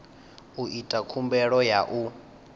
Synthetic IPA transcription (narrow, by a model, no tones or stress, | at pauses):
uʔitʼakʰumbɛɺɔjaʔu